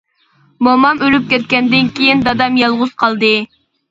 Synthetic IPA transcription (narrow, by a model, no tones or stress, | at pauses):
momɑmyɾyp̚kʲɛt̪̚kʲɛnd̪ɪnkʲʰijind̪ɑd̪ɑmjɑlˠʁʊz̥qʰɑlˠd̪ɨ